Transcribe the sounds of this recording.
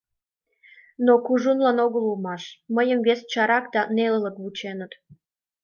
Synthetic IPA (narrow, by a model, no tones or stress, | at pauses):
nokuʒunlɑnoɣəlulmɑʃməjəmvest͡ɕɑɾɑkd̪ɑnelələ̆kβut͡ɕenət̪